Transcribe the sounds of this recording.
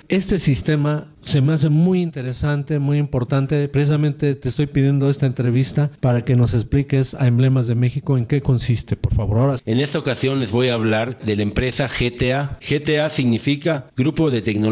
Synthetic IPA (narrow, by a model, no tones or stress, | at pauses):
e̞st̪e̞sist̪e̞ma | se̞meas̬e̞mujint̪e̞ɾe̞sant̪e̞mujimpo̞ɾt̪ant̪e̞pɾesis̬amẽ̞nt̪et̪eːst̪o̞jpiðje̞nd̪o̞e̞st̪aent̪ɾe̞βist̪apaɾake̞no̞se̞splike̞sa̰emble̞mazðe̞me̞xiko̞eŋke̞ko̞nsist̪e̞po̞ɾfaβo̞ɾaoɾaene̞st̪aokasjo̞nlezβo̞jaːβlaɾðe̞laempɾe̞saxet̪eaxet̪easiɣnifikaɡɾupo̞ðe̞t̪ekno